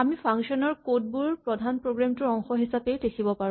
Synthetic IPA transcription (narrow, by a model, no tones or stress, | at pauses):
amipʰaŋsɔnɔɹkot̚buɹpɹɔdʱanpɹoɡɹamtʊɹɔŋxɔɦisapedekʰibɔpaɹ